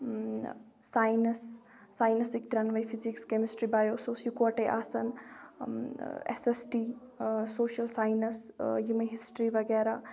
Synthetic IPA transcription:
aːjnɐsː | aːjnɐsik̚t̪ɾɐnʋɐjfʰizikskemisʈɾibaːjoːsoːsjukoːʈeʔa̰ːsɐn | ḛsesʈiː | soːʃɐlsaːjnɐsjimɐɦisʈɾiʋɐɡɛːɾaː

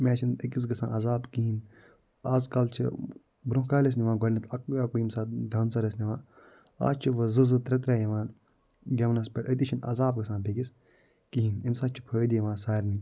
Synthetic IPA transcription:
mʲɛːt͡ʃʰinəkis̬ɡɐsã̰ːnɐzaːbkiɦin | aːzkɐlt͡ʃʰḭ | bɾũɦkaːles̬niʋãːnɡɐɾnit̪ʰɐkɐkuimsaːd̪aːnsɐɾɐsniʋãː | a̰ːt͡ʃʰiʋɐzɨzɨt̪ɾɐt̪̬ɾaːjiʋaːn | ɡʲɐʋnɐs̬pʲɐʈɐt̪̬it͡ʃʰinɐ̰zaːbɡɐsãːnbekis | kiɦinimsaːt͡ʃʰi̥pʰɐːd̪iiʋaːnsaːɾni

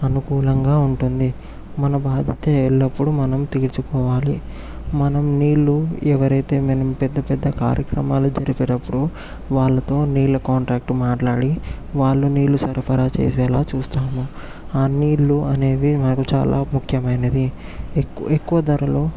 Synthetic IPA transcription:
ɐnukuːlɐŋɡaːuɳʈund̪i | mɐnɐbaːd̪ʱɐt̪eːɛɭːɐpːuɽumɐnɐmt̪eːlt͡ʃukɔːʋaːlḭ | mɐnɐmniːɭːuɛʋɐɾɐjt̪e̞ːmɐnɐmpɛd̪ːɐpɛd̪ːɐka̰ːɾjɐkɾɐ̰maːlud͡ʒɐɾipɛːʈɐpːuɽu | ʋaːɭːɐt̪o̞ːniːɭːɐkaːɳʈɾaːk̚ʈmaːʈlaːɽi | ʋaːɭːuniːlːusɐɾpʰɐɾaːt͡ʃḛːs̬ɛːlaːt͡ʃuːst̪aːmu | aːniːɭːuɐne̞ːʋimɐnɐkut͡ʃa̰ːlʔa̰ːmukʰjɐmɐjnɐd̪ikːekːuʋɐd̪ɐɾɐloː

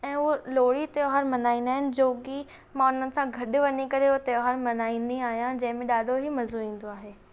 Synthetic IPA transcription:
ɛ̃ːɦuloːɽit̪ejoɦaːɾmɐnaːĩːnd̪aːɦɪnɪ̆d͡ʑoːɡi | mãʊn̤ənɪ̆sãɡʱɐɗʊ̆ʋɐnikɐɾeut̪ejoɦaːɾmɐnaːĩːnd̪iaːɦijãd͡ʑɐ̃ɦɪ̃mẽɗaːɖʱoɦimɐzoĩːn̆d̪oaːɦeː

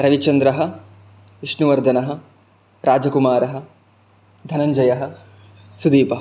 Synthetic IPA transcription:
ɾɐʋit͡ʃɐnd̪ɾɐɦɐ̆ | ʋiʂnuʋɐɾd̪ʱɐnɐɦɐ̆ | ɾʔaːd͡ʒɐkumaːɾɐɦɐ̆ | d̪ʱɐnɐɲd͡ʒɐjɐɦɐ̆ | sud̪iːpɐɦɐ

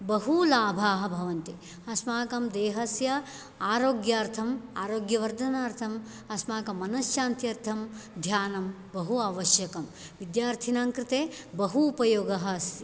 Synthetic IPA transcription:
bɐɦulaːbʱaːɦɐ̆bʱɐʋɐnt̪i | ɐsmaːkɐmd̪eːɦɐsjɐ | aːɾoːɡjaːɾt̪ʰɐmaːɾoːɡjɐʋɐɾd̪ʱɐnaːɾt̪ʰɐm | ɐsmaːkɐmːɐnɐsʃaːnt̪jɐɾt̪ʰɐmd̪ʱjaːnɐm | bɐɦuaːʋɐʃjɐkɐm | ʋid̪jaːɾt̪ʰinaːŋkɾɪt̪eːbɐɦuːpɐjoːɡɐɦɐsjɐ

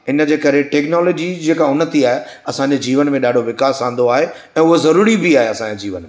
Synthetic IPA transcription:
ɪnə̆d͡ʑeːkɐɾeʈeːknɔːloːd͡ʑid͡ʑeːkaʊnət̪ʰiaːɦe | ɐsãːɲd͡ʑed͡ʑiːʋənmẽɗaːɖʱoʋɪkaːsãːnd̪oaːɦe | ɛ̃ːʊɦozɐɾuːɾibiaːɦeɐsãːɲd͡ʑed͡ʑiːʋənmẽ

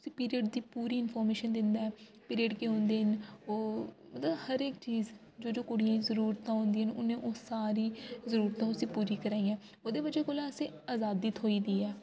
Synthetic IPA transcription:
ʊsiːpiːɾiəːɖd̪iːpuːɾiːɪnpʰɔːɾmeːʃənd̪ɪnd̪aːɛː | piːɾeːɖkeːõnd̪eːnoːmət̪ləbhəɾekt͡ʃiːz | d͡ʒoːd͡ʒoːkoːɽɪjãːĩzəɾuːɾt̪ãːɦõːnd̪iːənʊnẽːʔoːsaːɾiːzəɾuːɾt̪ãːʊsĩːpuːɾiːkəɾaːiːãː | oːd̪eːbəd͡ʒeːkoːlaːəsẽːaːzaːd̪iːt̪ʰoːiːd̪iːɛː

